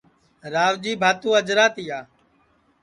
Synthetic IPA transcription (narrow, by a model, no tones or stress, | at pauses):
ɾaːʋd͡ʒiːbʱaːt̪ũːəd͡ʒɾaːt̪iːaː